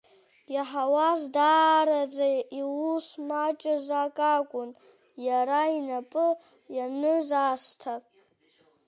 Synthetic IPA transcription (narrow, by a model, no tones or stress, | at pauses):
jaħawazdaːɾad͡zaiwusmat͡ʃʼɪzʷakʼakʷʼʊn | jaɾainapʼɨ | janɨzastʰapʼ